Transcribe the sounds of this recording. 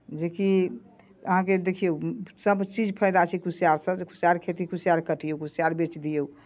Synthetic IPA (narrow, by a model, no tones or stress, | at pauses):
d͡ʒeki | əɦãked̪ekʰijosəbt͡ʃid͡ʒpʰəjd̪at͡ʃʰikusijaɾsə̃kʰusijaɾkʰet̪ikʰusijaɾkəʈijokusijaɾbet͡ʃd̪ijou